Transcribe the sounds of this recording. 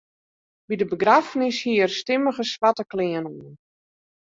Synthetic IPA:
bidəbəɡrafnɪshiərstɪməɣəsʋatəklɪənuən

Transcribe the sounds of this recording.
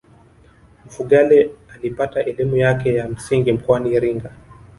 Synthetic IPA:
m̩fuɠalɛalipataʔɛlimujakɛjam̩siŋɡim̩kɔaniːɾiŋɡa

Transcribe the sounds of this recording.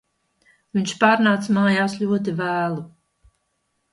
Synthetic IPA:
viɲʃpaːɾnaːt̪smaːjaːsʎʲuɔt̪̬ivæːlˠu

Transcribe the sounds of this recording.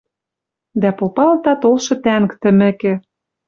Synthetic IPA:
d̪æpopɑlt̪ɑt̪olʃɤ̆t̪æŋkt̪ɘ̆mɘ̆kĕ

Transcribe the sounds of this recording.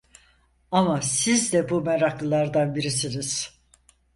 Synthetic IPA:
amasizd̪ɛbumɛɾaklˠɯlˠaɾd̪anbiɾisiniz̥

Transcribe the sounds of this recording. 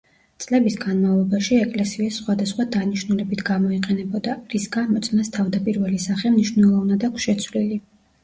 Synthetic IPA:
t̪sʼlɛbisɡanmavlˠɔbaʃiɛkʼlɛsiɛsːχwad̪asχwad̪aniʃnulɛbit̪ʰɡamɔiqʼɛnɛbɔd̪aɾisɡamɔt̪sʼnast̪ʰavd̪apʼiɾvɛlisaχɛmniʃvnɛlˠɔvnad̪akʰʷsʃɛt̪sʰvlili

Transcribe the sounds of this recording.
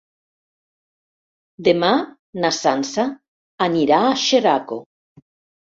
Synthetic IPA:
d̪ema | nasansa | aniɾaːʃeɾako

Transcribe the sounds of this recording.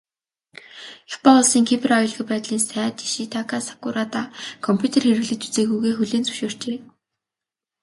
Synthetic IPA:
expɔʊɮsiːŋkʰip̆ʰrɔjɞ̆ɮɣɪ̆t̪̚pæːt̪ɮiːnsæːt̪i̥ʃit̪ʰakasḁkʊɾat̪aːkʰɔmpʲʰjut̪ʰerxeɾɘ̆ɣɮɘ̆t͡ɕu̥t͡seːɣujɣeːxɵɮeːnt͡sɵ̥ʃoːr̥t͡ɕeː

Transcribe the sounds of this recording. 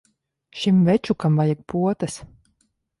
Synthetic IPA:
ʃimvɛt͡ʃukamvajak̚pʰuɔt̪as

